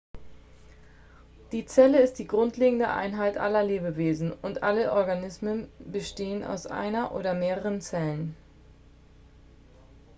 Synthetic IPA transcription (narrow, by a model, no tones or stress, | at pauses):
d̥iːt͡sɛləɪstd̥iːɡʁʊntʰleːɡŋ̩də̰ʔa̰ɪnɦaɪtʔa̰lɐleːbəveːzn̩ʊntʔaləʔɔɐɡanɪsmənbəʃteːəna̰ʊsʔa̰ɪnɐʔo̰ːɾɐmeːʁəʁ̞ənt͡sɛlən